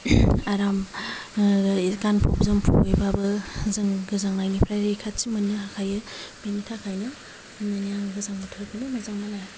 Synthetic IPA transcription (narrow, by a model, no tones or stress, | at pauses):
aɾam | kanpʰo̰p̚zɯmpʰṵpojbabɐzɯŋɡɯzaŋnajnipʰɾajɾekʰatt͡ʃimɐnːɯhakʰajɯpenitʰakʰajnɐ | nanijaŋɡɯzaŋmɯtʰɯkʰinɯmazaŋmana